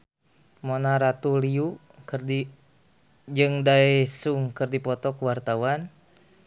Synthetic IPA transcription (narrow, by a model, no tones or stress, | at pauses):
mɔnaɾat̪uliu | d͡ʒɨŋdaɛsuŋkɨrdipɔt̪ɔkuwart̪awan